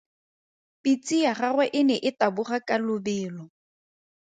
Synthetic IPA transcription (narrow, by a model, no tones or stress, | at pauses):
pit͡sʼiaχarwɛʔɪnɛʔɪtabʊχakʼalʊbɪːlɔ